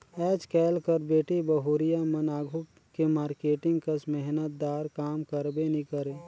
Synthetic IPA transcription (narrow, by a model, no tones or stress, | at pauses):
ɛːd͡ʒkɛːlkəɾbeːʈibəɦuːɾɪjamənaːɡʱu | kemaːɾkeːʈɪ̃ŋɡkəsmɛɦnət̪̚d̪aːɾkaːmkəɾbenikəɾeː